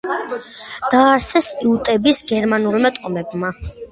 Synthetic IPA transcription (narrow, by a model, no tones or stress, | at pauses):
d̪̥aːɾsɛsiut̪ʼɛbisɡɛɾmanuɾimat̪ʼɔmɛbma